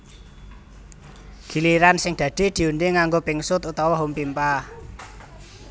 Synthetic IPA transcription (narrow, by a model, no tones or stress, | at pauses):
ɡ̥i̤liɾansɪŋd̥ä̤d̪̥e̤d̪̥i̤und̪eŋaŋɡopɪŋsʊt̪ut̪ɔwɔɦumpimpah